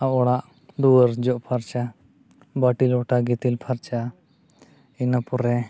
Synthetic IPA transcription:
aʔɔɽaʔ | d̪uwəɾd͡ʒɔʔpʰaɾt͡ʃa | bəʈilɔʈaɡit̪ilpʰaɾt͡ʃa | inapɔɾɛ

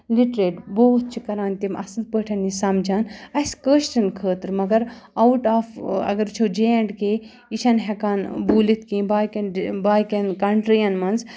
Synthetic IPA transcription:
liʈɾeːʈboːt̪̚t͡ʃʰikɐɾaːnt̪imʔɐ̰sɨl̚pəːʈʰɐnːisɐmd͡ʒaːnɐskəːʃʈɐnkʰəːt̪ɾmɐɡɐɾɐwʈaːfɐ̰ɡɐɾt͡ʃʰod͡ʒeːɐɳɖkeː | iʃɐnɦɛkaːnbuːlit̪̚ʰkĩːbaːjkɐnbaːjkenkɐɳʈɾijɐnmɐnz

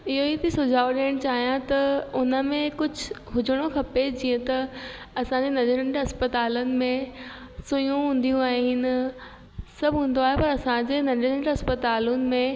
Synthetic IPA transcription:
ɪɦoit̪ʰisʊd͡ʑʱaːoɗeəɽ̃t͡ɕaːɦijãt̪ɐʊnə̆mẽkʊd͡ʑʱʊɦʊd͡ʑʱəɽ̃okʰɐped͡ʑiːə̃t̪ɐ | ɐsãɲd͡ʑenɐd͡ʑəɾəɳʈɐspət̪aːlənɪ̆mẽ | sʊjũɦũːn̆d̪ijũaːɦɪnɪ̆ | sɐbʱũːn̆d̪oaːɦepɐɾɐsãd͡ʑeːnɐd͡ʑəɾə̃ɳʈɐspət̪aːlʊnɪ̆mẽ

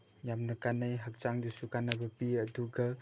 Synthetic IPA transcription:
jamnɐkanajɦɐk̚t͡ʃaŋdusukanabɐpiɐduɡɐ

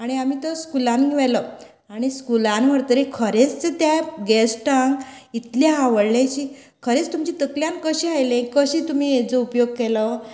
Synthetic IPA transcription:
aɽ̃iamiːt̪əskulãnʋɛlə | aɽ̃iskulãnʋ̤əɽt̪əɾekʰəɾet͡st͡set̪jaɡesʈaŋɡit̪ljaɦaʋəɽljajt͡ɕiː | kʰəɾet͡st̪umt͡ɕit̪əkljãnkəɕiɦajlẽkəɕiːt̪um̤iːed͡zəupjoɡ̚kelə

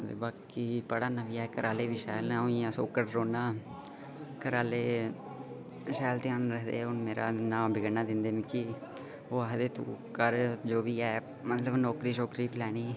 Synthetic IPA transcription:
t̪ḛːbaːkːiːpəɽaːnaːʋiːɛːkəɾʔaːleːʋiːʃɛːlnãːoĩːãsoːkəʈɾoːnaː | kəɾaːleː | ʃɛːlt̪ɪaːnɾəɦd̪ḛːʊnmeːɾʔa̰ːnãːmbɪɡənaːd̪ɪnd̪eːmĩkɪ | oːaɦd̪eːt̪uːkəɾd͡ʒoːʋiːɛː | mət̪ləbnɔːkɾiːʃoːkɾiːplɛːñiː

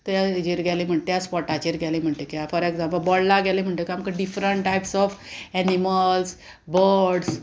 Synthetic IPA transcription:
t̪jad͡ʑiɾɡɛlim̤əɳt̪ejaspɔʈad͡ʑiɾɡɛlim̤əɳʈ̪ekijafɔɾeɡd͡zãmpəlbɔɽlaɡɛlim̤əɳʈ̪ekiamkaɖifɾəɳʈʈajpsɔfɛniməls | bəɾɾɖs

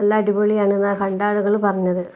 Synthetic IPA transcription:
ɐlːaːɖibɐɭijaːɳenːaːkɐɳɖaːɭuɣɐɭupɐrɐɲːɐðɨ

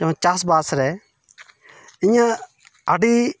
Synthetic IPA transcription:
ɐ̃t͡ʃaːsbaːsɾɛ | ɪ̃jã | aɖiː

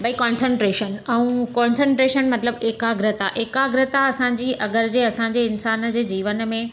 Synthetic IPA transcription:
bɐikɔ̃ːnsə̃ɳʈɾeːʃənɛ̃ũkɔ̃ːnsə̃ɳʈɾeːʃənmɐt̪ɪləbeːkaɡɾɪt̪aʔeːkaɡɾɪt̪aɐsãɲ̆d͡ʑiːɐɡəɾd͡ʑeɐsãɲd͡ʑeɪnsaːnd͡ʑeːd͡ʑiːʋən̆mẽ

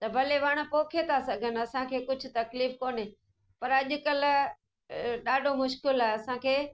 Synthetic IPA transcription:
t̪ɐbʱɐleʋɐɽ̃ʊ̆poːkʰet̪ʰasɐɡʱənɪɐsãkʰeːkʊd͡ʑʱʊ̆t̪ɐkliːfkoːne | pɐɾɐʄʊ̆kɐl̆ | ɗaːɖʱomʊʃkɪlaːɦɐsãkʰeː

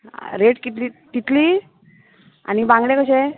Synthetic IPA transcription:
ɾeʈkit̪lit̪it̪li | a̰nibãŋɡlekəɕe

